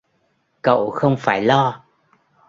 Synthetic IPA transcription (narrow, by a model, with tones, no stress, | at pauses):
kə̰˧˨wxə˧wŋ͡mfaː˧˩jlɔ˧